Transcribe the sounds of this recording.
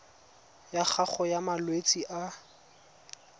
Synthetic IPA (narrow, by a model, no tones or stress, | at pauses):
jaχʰaχɔjamalwet͡sʼiʔa